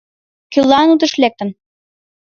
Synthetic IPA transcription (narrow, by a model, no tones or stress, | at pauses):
kylːɑnut̪ə̆ʃlek̚t̪ə̆n